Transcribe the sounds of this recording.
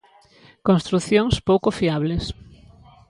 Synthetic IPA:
kõnst̪ɾuθjoŋspowkofiaβles

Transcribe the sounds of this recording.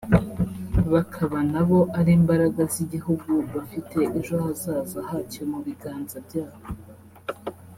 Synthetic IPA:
βakʰaβanaβo̞ʔaɾiːmbaɾaɡaziɟihuɡuβafitʰe̞ʔeʒohazaːzahacomuβiɡaːnzabɟaːho

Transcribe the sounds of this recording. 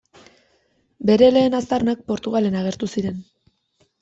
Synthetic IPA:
be̞ɾe̞le̞ːnast̪arnak̚po̞ɾt̪uɣale̞naɣ̞e̞ɾt̪usiɾe̞n

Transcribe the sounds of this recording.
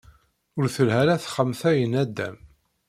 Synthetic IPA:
ʊɾθəlhæɾæθχəmθæjənæd̪ːæ̰m

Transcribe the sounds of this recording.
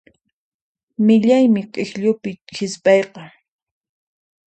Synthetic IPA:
mɪʎajmɪqʼɪxʎʊpɪxɪspʼɑjqɑ

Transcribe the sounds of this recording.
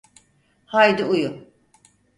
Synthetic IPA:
hajd̪uuju

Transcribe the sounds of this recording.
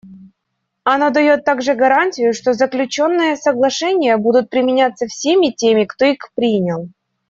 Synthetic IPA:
ɐno̞d̪ɐjo̞t̪ːaɡʐɨɡɐɾanʲtʲɪjʊʂt̪o̞zəklʲʉt͡ɕo̞nːɨjəsəɡlˠɐʂɛnʲɪjəbud̪ʊt̪̚pɾʲɪmʲɪnʲat̪səfsʲemʲɪtʲemʲɪkt̪o̞ixpɾʲinʲɪlˠ

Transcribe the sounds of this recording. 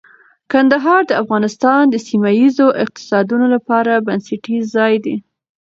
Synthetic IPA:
kand̪aɦɑɾd̪əafɣɑnɪst̪ɑnd̪əsimajizoʔɪq̚t̪ɪ̥sɑd̪unolapɑɾabanseʈizɑjd̪i

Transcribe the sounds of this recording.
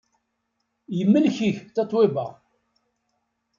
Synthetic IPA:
jəmːəlçiçt̪ɑt̪ˤwebæ̰

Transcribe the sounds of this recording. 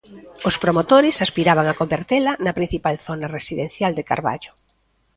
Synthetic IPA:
ʊspɾomot̪oɾɪsaspiɾaβ̞aŋɐkombeɾt̪elɐnɐpɾĩn̟θipalθonɐresiðen̟θjald̪eka̰ɾβa̰ʎʊ

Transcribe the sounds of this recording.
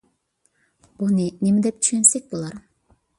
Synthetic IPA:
b̥uninemed̪ep̚t̪ʰy̥ʃønsek̚bulˠɑɾ

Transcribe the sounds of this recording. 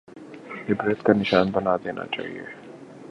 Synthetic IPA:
ɪbɾɛt̪kanɪʃaːnbɐnad̪eːnʔa̰t͡ʃa̰ːɦḭḛ

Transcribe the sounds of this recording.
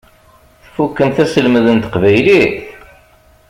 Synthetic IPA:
θfukːəmθæsəlməðənt̪ə̥qvæjliθ

